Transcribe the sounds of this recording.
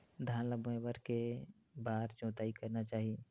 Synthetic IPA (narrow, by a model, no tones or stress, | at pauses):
d̪ʱaːnləbẽʋəɾke | baːɾt͡ʃõːt̪aːikɐɾnat͡ʃaːɦie